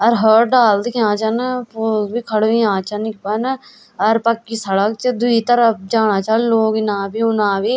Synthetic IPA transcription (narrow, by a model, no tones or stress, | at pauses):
ɐɾɦəːʈ̚ɖaːld̪kãːt͡ʃɐnpoːlbiːkʰəɽʋĩãːt͡ʃənɪk̚pən | əɾpəkːisəɽək̚t͡ʃəd̪ʊiːt̪əɾəp̚d͡ʒaːnaːt͡ʃalloːɡinãːbiːʊnãːbiː